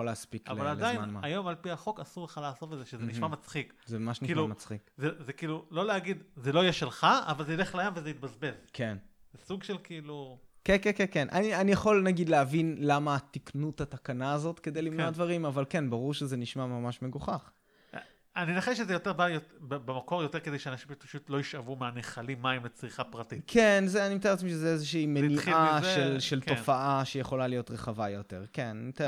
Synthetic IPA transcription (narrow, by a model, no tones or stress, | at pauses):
oleaspikalvalaldajnamaajo̞malpiaχo̞kasuʁleχalaːso̞fetzeʃezeniʃmamat͡sχikzemamaʃniʃimluamat͡sχikzezekiːlulo̞leaɡid̪zeloijeʃelχaa̰valzeileχlajamvezeit̪̚bazbezkʰen | zesuɡʃelkiiːlukenkenkenkenʔa̰nianijaχo̞lnaɡid̪leavinlamaːt̪iknuthat̪akanaːzo̞t̪ke̞d̪ejlivnoad̪vaʁimavalkenbaʁuʁʃezeniʃmamamaʃme̞ɡuχaχ | aninaχeʃ̬ezejo̞t̪eʁbajotbebemako̞ʁjo̞t̪e̞kedejʃeanaʃimpḁʃut̪lo̞iʃavumeaneχalimːaimlet͡sʁiχapʁatitkʰenzeanimt̪aeetmiʃezeezeʃiːmeniaʃʃelʃe̞lktofaʔaʃejeχo̞lalijo̞t̪ʁeχavajo̞t̪e̞̰ʁkennimt̪e